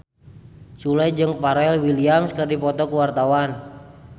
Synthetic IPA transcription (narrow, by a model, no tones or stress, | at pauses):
sulɛd͡ʒɨŋpaɾɛlwiliamskɨrdipɔt̪ɔkuwart̪awan